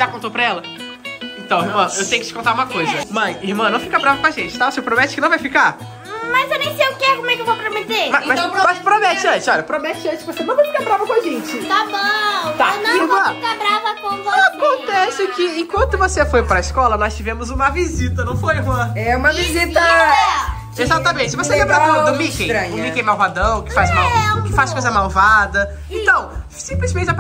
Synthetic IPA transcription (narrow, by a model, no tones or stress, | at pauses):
ʒ̥akõt̪owpɾɐɛlɐ | ẽt̪ɐ̃w̃hiɾmɐ̃ewt̪ẽjʊkɪ̥t͡ʃɪ̥kõt̪aɾũmɐkojzɐmɐ̃j̃ihmɐ̃nɐ̃w̃fikɐbɾavɐkõaʒẽt͡ʃɪt̪avosewpɾomɛt͡ʃɪkɪnɐ̃w̃vajfika | mɐzewnẽj̃sejʊkɪɛkomwɛkɪewvopɾomet̪emɐmãmaspɾomɛt͡ʃɪɐ̃t͡ʃɪzɔʎɐepɾomɛt͡ʃɪɐ̃t͡ʃɪʃkɪvosenɐ̃w̃vojfikabɾavɐkõaʒẽt͡ʃɪt̪abot̪anɐ̃ivomɐ̃fikabɾavɐkõvakõnt̪ɛsʊkɪẽkwɐ̃nt̪ʊvosefojpɾɐiskɔlɐnɔst͡ʃivẽmʊzũmɐvizit̪ɐnɐ̃w̃fojvɐ̃ɛũmɐvizit̪ɐɛ | ezat̪ɐmẽt͡ʃɪvoseẽbɾãd̪ʊ̃mikẽjɾɐ̃ɲ̃mikẽj̃mawvad̪ɐ̃w̃kɪ̥fazmawkɪfaskojzɐmawvad̪ɐ | eẽt̪ɐ̃w̃ | sĩplɪzmẽnt͡ʃap